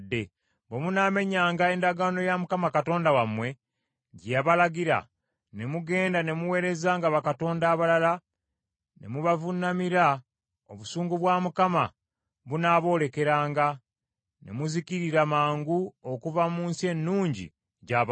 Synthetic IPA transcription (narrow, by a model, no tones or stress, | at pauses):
dːe | bemunaːme̞ɲaːŋɡae̞ːndaɡaːno̞jamukamakato̞ːndawamwe̞ | ɟaβalaɡiɾa̰ | ne̞muɡe̞ːndane̞muwe̞ːɾe̞zaːŋɡaβakato̞ːndaːβalala | ne̞̰muβavunamiɾa | oβusuːŋɡuβwaːmukama | βunaβo̞ːle̞ke̞ɾaːŋɡa | ne̞̰muziciɾiɾamaːŋɡuokuvamuːnsie̞nːuːɲɟḭ | ɟaβ